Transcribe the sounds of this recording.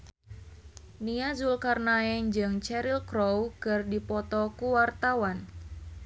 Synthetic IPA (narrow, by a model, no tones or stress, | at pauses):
niazulkarnaɛnd͡ʒɨŋt͡ʃɛɾilkɾowkɨrdipɔt̪ɔkuwart̪awan